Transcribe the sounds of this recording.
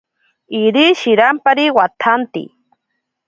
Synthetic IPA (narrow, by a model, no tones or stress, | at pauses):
iɾiʃiɾampaɾiwat̪ʰant̪ḭ